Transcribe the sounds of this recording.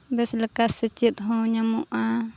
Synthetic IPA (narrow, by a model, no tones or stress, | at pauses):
bɛsləkasət͡ʃit̪̚ɦɔɲamuʔa